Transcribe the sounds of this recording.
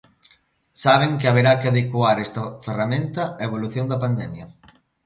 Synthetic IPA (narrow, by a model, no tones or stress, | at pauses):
saβ̞eŋkɪaβ̞eɾakeaðekwaɾɛst̪ɐferamẽnt̪ɐaeβ̞oluθjond̪ɐpand̪ɛmjɐ